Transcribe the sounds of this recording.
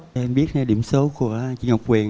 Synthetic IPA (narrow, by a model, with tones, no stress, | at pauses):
ʔɛ˧mɓi˦˥ət̚ha˧jɗḭ˧˩əmsə˨˦wku˧˩ət͡ɕḭ˧˩˦ŋːha˨˩wk͡p̚kwi˨˩ə